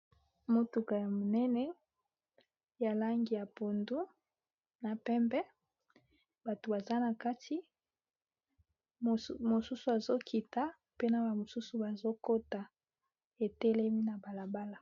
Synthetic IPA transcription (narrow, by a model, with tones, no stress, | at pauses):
mo˦tu˨ka˨ja˨mo˨nɛ˦nɛ˦ | ja˨la˦ŋɡi˨ja˨po˨ndu˦ | na˨pɛ˦mbɛ˦ | ba˨to˨ba˨za˦na˨ka˦tʰi˦˨ | mo˨su˦su˨a˨zo˦kʰi˨ta˦ | pe˦na˨ba˨mo˨su˦su˨ba˨zo˦ko˦ta˨ | e˨tɛ˦lɛ˦mi˦na˨ba˨la˨ba˦la˨